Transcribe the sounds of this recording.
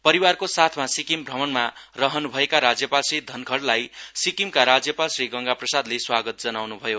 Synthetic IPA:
pʌɾiwarkosat̪ʰmasikimbʱrʌmʌnmarʌɦʌnubʱʌekaɾad͡zjʌpalsrid̪ʱʌnkʰʌɽlajsikimkaɾad͡zjʌpalsriɡʌŋɡaprʌsad̪leswaɡʌt̪̚d͡zʌnawnubʱʌjo

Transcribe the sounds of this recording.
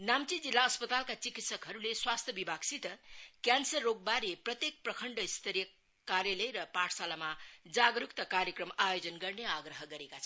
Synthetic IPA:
namt͡sid͡zilːaʌspʌt̪alkat͡sikit̪sʌkɦʌɾuleswast̪ʰjʌbibʱaɡsit̪ʌkjansʌrːoɡ̚baɾeprʌt̪jek̚prʌkʰʌɳɖʌist̪ʰʌɾjʌ | kaɾjalʌjɾʌpaʈʰsalamad͡zaɡɾukt̪ʌkaɾjʌkrʌmajod͡zʌnɡʌrneaɡrʌɦʌɡʌɾekat͡sʰʌ

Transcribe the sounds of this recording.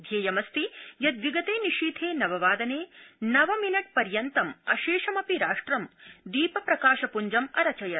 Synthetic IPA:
d̪ʱjeːjɐmɐst̪ijɐd̪ʋiɡɐt̪eːniʃiːd̪ʱʰeːnɐʋɐʋaːd̪ɐneːnɐʋɐminɐʈ̚pɐɾjɐnt̪ɐmɐ̰ʃeːʃɐmɐpiɾaːʂʈɾɐmd̪iːpɐpɾɐkaːʃɐpuɲd͡ʒɐmɐɾɐt͡ʃɐjɐɾ

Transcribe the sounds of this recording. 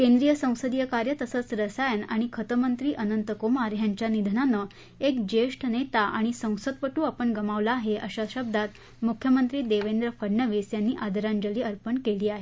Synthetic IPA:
kẽnd̪ɾijəsə̃w̃səd̪ijəkaɾjət̪əsət͡sɾəsajənaɽ̃ikʰət̪əmənt̪ɾiːʔənənt̪əkomaɾjaɲt͡ɕjanid̪ʱnanə | ekd͡ʑeʂʈʰnet̪aʔaɽ̃isə̃w̃səd̪̚pəʈuːapəɳɡəmaʋlaːɦeʔəɕaɕəb̚d̪ʱat̪ | mukʰjəmənt̪ɾiːd̪eʋend̪ɾəfəɽɳəʋisjanːiːʔad̪ʱəɾaɲd͡ʑəliːəɾpəɳkeliːaɦe

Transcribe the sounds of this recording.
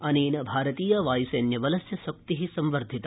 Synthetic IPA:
ɐniːnɐbʱaːɾɐt̪iːjɐʋaːjiseːnjɐʋɐlɐsjɐsɐk̚t̪iɦisɐmʋɐɾd̪ʱit̪ɐ

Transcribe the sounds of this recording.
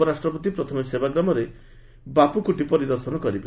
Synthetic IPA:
ɔɾasʈɾɔpɔt̪̬ipɾɔt̪ʰɔmesebaɡɾamɔɾe | bapukuʈipɔɾid̪ɔɾsɔnɔkɔɾibe

